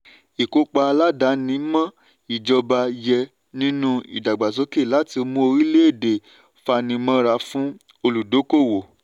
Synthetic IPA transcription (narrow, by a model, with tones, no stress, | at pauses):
i˨ko˧˦k͡pa˧la˦da˨˦nĩ˨˦mã˦ | i˨d͡ʒɔ˧ba˧jɛ˧ | nĩ˦nũ˦ḭ˨da˨ɡ͡ba˨s̬ɔ˨˦ke˦˨la˨˦ti˧mũ˦o˧ɾi˦le˦e˦˨de˨ | fa˧nĩ˧˦mã˦ɾa˧fũ˦ | o˧lu˨do˨˦ko˦˨wo˨